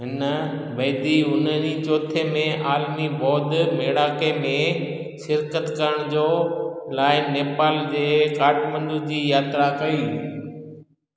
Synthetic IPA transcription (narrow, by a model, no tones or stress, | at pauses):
ɦɪnə | bɐːɪd̪iʊnəɾit͡ɕoːt̪ʰemẽaːlmibɔːd̪meːɽaːkemẽ | ʃɪɾkət̪kɐɾəɽ̃d͡ʑoːlaːɪːeːpaːld͡ʑeːkaːʈmə̃nd̪ʊd͡ʑiːjaːt̪ɾakɐiː